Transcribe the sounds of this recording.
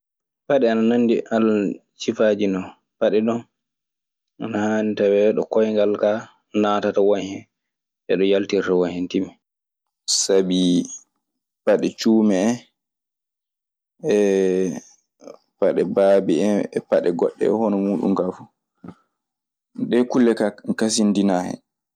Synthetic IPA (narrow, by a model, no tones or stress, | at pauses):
paɗɛanananːdiʔalːt͡ʃifad͡ʒinɔ | paɗɛɗɔn | ʔanahanitawɛɗɔ̰kɔjŋɡalka | natatawɔɲhɛn | ʔɛ̰ɗɔjaltiɾtawɔɲhɛntimi | sabi | paɗɛt͡ʃuːmɛɛ | ɛ | paɗɛbaːbiɛ̰paɗɛɡɔɗːɛ̰ɛhɔnɔmuːɗṵmɡafu | ɗɛkulːɛkakasindinaːhɛ̰